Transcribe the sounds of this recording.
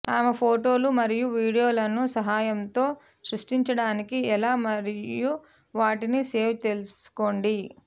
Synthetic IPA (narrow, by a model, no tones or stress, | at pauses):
t̪aːmɐpʰoːʈo̞ːlumɐɾijuʋiːɽijo̞ːlɐnusɐɦaːjɐnt̪o̞ː | sɾuʂʈiɲt͡ʃɐɽaːnikiɛlaːmɐɾiju | ʋaːʈinise̞ːʋt̪e̞lusu̥ko̞ːɳɖi